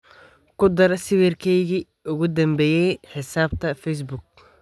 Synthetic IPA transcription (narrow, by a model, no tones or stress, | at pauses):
kʰʊd̪ɐɾɐsɪwɛrkʰɛjɣi | ʔʊɣʊd̪ɐmbɛːjɛjħɪsaːb̚t̪ʰɐfɛjs̬bʊk̚